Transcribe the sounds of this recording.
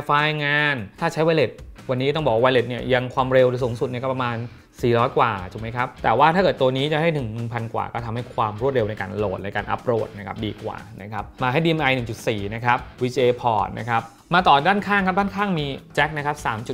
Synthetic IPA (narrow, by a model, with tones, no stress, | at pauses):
faː˧jŋaː˧nt̪ʰaː˥˩t͡ɕʰa˦˥jwa˧jle˨˩t̪̚wa˧nːi˦˥t̪ɔ˥˩ŋbɔː˨˩kwa˥˧a˧jle˨˩t̪̚ni˥˩ɐja˧ŋkʰwaː˧mɾe˧wɾe˧suː˩˦ŋsu˨˩t̪̚ni˥˩kːɔ˥˩pa˧maː˧n | siː˨˩ɾɔː˦˥jkwa̰ː˨˩t̪ʰu˨˩˦ma˦jkʰa˦˥p̚t̪ɛː˨˩waː˥˩t̪ʰaː˥˩kɤː˨˩t̪ːu˧niː˦˥t͡ɕa˨˩ha˥˩jnɯ˨˩ŋnɯ˨˩ŋpʰa˧nkwa̰ː˨˩kɔː˥˩t̪ʰa˧mha˥˩jkʰwaː˧mɾu˥˩t̪̚ɾe˧wna˧jka̰ː˧nlo̰ː˨˩t̪̚na˧jka̰ː˧nʔa̰˦˥pɾo̰ː˨˩t̪̚na˦˥kʰa˦˥p̚diː˧kwa̰ː˨˩na̰˦˥kʰa˦˥p̚maː˧ɦa˥˩jdiː˧ʔe˧mʔa˧jnɯ˨˩ŋt͡ɕu˨˩t̪̚siː˨˩na˦˥kʰa˦˥p̚wiː˧t͡ɕeː˧pʰɔ̰ː˨˩t̪̚nʔa̰˦˥kʰa˦˥p̚ | maː˧t̪ɔː˨˩daː˥˩nkʰaː˥˩ŋkʰa˦˥daː˥˨nkʰaː˥˩ŋmiː˧t͡ɕɛ˦˥k̚na˦˥kʰa˦˥p̚saː˩˦mt͡ɕu˨˩t̪̚